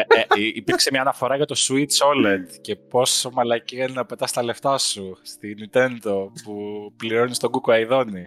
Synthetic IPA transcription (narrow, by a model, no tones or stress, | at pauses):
ipiɾkse̞mɲɐːnɐfo̞ɾɐʝɐt̪osuit͡solɐnd̪ce̞po̞so̞mɐlɐciennɐpe̞t̪ɐst̪ɐle̞ft̪ɐsust̪inint̪e̞nd̪o̞pupliɾo̞nist̪o̞ɡukoɐiðo̞ni